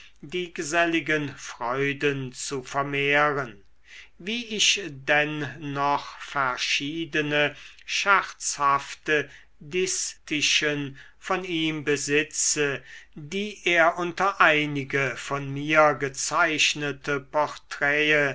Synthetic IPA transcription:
diːɡəzɛlɪɡənfʁ̥ɔʏdənt͡sufɛɐmeːʁən | viːɪʃdɛnːɔχfɛɐʃiːdənəʃaʁt͡shaftə | dɪstɪʃən | fɔniːmbəzɪt͡sədiːʔeːɐʔʊntɐʔaɪnɪɡəfɔnmiːɐɡət͡saɪʃnətʰəpɔʁtʁ̥ɛːə

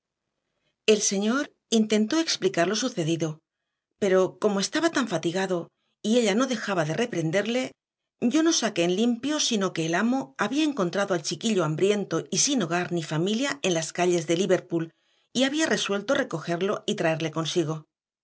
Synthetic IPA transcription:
e̞lse̞ɲo̞ɾ | int̪e̞nt̪o̞e̞ksplikaɾlo̞suθe̞ðiðo̞ | pe̞ɾo̞ko̞mo̞e̞st̪aβat̪aɱfat̪iɣaðo̞ | ie̞ʎano̞ðe̞xaβaðe̞re̞pɾe̞nd̪e̞ɾle̞ | ɟ͡ʝo̞no̞sake̞ːnlimpjo̞sino̞ke̞ːlamo̞aβiae̞ŋko̞nt̪ɾaðoalt͡ʃikiʎo̞ambɾje̞nt̪o̞isino̞ɣ̞aɾnifamiljae̞nlaskaʎe̞zðe̞liβe̞ɾpul | iaβiare̞swe̞lt̪o̞re̞ko̞xe̞ɾlo̞it̪ɾae̞ɾle̞ko̞nsiɣo̞

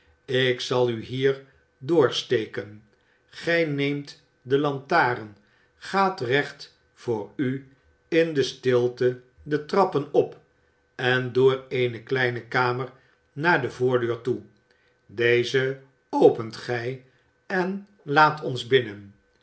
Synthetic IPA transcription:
ɪksɑlˠyɦiːɹ | dʊːɹstejkən | χɛjnejmt | dəlɑntaːɾən | χaːtrɛχt | fʊːɹy | ɪndəstɪlˠtə | dətrɑpənɔp | ɛndʊːɹejnəklɛjnəkaːməɹ | naːɹdəvʊːɹdøːɹtu | dejzə | owpəntχɛj | ɛn | laːtʰɔnzbɪnən

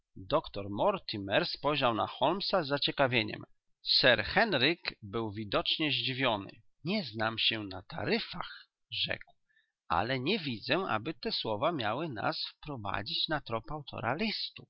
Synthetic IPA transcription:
d̪ɔkt̪ɔɾmɔɾt̪ʰimɛɾspɔjʑawna̰xɔlmsazːat͡ɕɛkavʲjeɲɛ̰m | sɛɾxɛnɾikbɘwvʲid̪ɔt͡ʂɲɛʑd͡ʑivʲjɔnɘ̰ | ɲɛznamɕɛnat̪a̰ɾɘfa̰x | ʐɛ̰kw | ʔa̰lɛɲɛvʲid̪zɛʔa̰bɘt̪ɛswɔvamʲjawɘna̰sfpɾɔva̰d͡ʑit͡ɕnat̪ɾɔpawt̪ʰɔ̰ɾalʲist̪u

